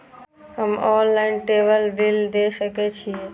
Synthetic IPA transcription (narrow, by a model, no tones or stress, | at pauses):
ɦəmɔːlːaɪnʈeːbəlbɪld̪esəket͡ʃʰi